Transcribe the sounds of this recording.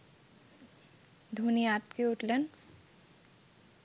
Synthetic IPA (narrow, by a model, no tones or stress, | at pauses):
d̪ʱuniat̪keuʈleɳ